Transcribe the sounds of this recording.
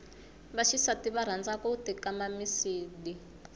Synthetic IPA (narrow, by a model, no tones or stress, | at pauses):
βaʃisatiβaɾ̤and͡zakɔutikamamisiːɗi